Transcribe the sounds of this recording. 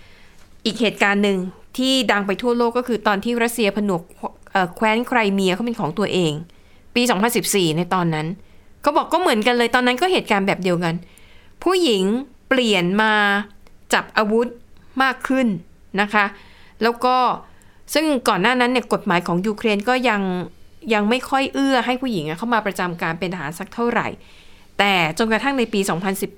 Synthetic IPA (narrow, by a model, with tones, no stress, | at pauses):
ʔiː˨˩k̚heː˨˩t̪̚kaː˧nːɯ˨˧ŋt̪ʰiː˥˩da˧ŋpa˧jt̪ʰu˥˩ɐloː˥˩kːɔ˥˩kʰɯː˧t̪ɔː˧nt̪ʰiː˥˩ɾa˦˥t̪̚si˧ɐpʰa˧nu˨˩˦kʔəː˨˩kʰwɛː˦˥nkʰɾa˧jmi˧əkʰa˥˩pe˧nkʰɔː˩˦ŋt̪u˧ɐʔeː˧ŋ | piː˧sɔː˩˦ŋpʰa˧nsi˨˩p̚siː˨˩na˧jt̪ɔː˧nːa˦˥nkʰa˦˥wbɔː˨˩kːɔː˥˩mɯ˩˦ənka˧nlɤː˧jt̪ɔː˧nːa˦˥nkɔː˥˩ɦeː˨˩t̪̚kaː˧nbɛː˨˩p̚di˧əwka˧npʰuː˥˩ji˩˦ŋpli˨˩ənmaː˧t͡ɕa˨˩p̚ʔaː˧wu˦˥t̪̚maː˥˩kʰːɯ˥˩nː | a˦˥kʰa˦˥ʔlɛː˦˥wkɔː˥˩ | sɯ˥˩ŋkɔː˨˩nːaː˥˩na˦˥nːi˥˩ko˨˩t̪̚maː˨˩˦jkʰɔː˩˦ŋjuː˧kʰɾeː˧nkɔː˥˩ja˧ŋ | ja˧ŋma˥˩jkʰɔ˥˩jʔɯ˥˩ɐɦa˥˩jpʰuː˥˩ji˩˦ŋʔa˧˥˩kʰa˥˩wmaː˧pɾa˧t͡ɕa˧mkaː˧npe˧nʔa˧ɦaː˩˦nsa˧˦k̚t̪ʰa˥˩ɾa̰˨˩j | t̪ɛː˨˩t͡ɕo˧nkɾa˧t̪ʰa˥˩ŋna˧jpiː˧sɔː˩˦ŋpʰa˧nsi˨˩p̚